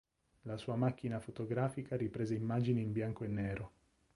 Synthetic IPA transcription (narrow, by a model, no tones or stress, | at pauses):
lasuːamak̟ːinafot̪oɡɾaːfikaɾipɾeːzeimːaːd͡ʒiniimbjaŋkoenːeːɾo